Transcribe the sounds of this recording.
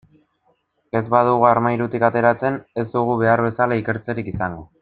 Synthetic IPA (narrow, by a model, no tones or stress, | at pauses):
e̞zbaðuɣuaɾmajɾut̪ikat̪e̞ɾat͡se̞ne̞zd̪uɣ̞uβe̞aɾβe̞salaike̞ɾt͡se̞ɾikisaŋɡo